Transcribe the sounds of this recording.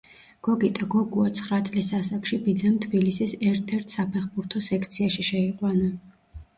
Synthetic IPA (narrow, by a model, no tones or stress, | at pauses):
ɡ̥ɔɡit̪ʼaɡɔɡuat̪sʰχɾat̪sʼlisasakʃibid̪zɛmt̪ʰbilisisɛɾt̪ʰɛɾt̪ʰsapʰɛχbuɾt̪ʰɔsɛkʰt̪sʰiaʃiʃɛiqʼwana